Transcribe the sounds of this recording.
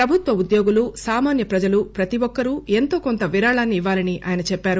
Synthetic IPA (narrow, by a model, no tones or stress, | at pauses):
pɾɐbʱut̪ʋɐud̪joːɡulussaːmaːnjɐpɾɐd͡ʒɐlupɾɐt̪iʋɔkːɐɾue̞nt̪o̞ːkont̪ɐʋiɾaːɭaːnːiːʋːaːlɐniʔa̰ːjɐnɐt͡ʃɛpːaːɾu